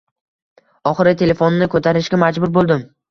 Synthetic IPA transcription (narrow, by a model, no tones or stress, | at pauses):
ɒχɨɾɪt̪ʰe̞le̞fonɪːɪkʰot̪ʰaɾɪʃɡʲamad͡ʒbʊɾbolˠd̪ɪm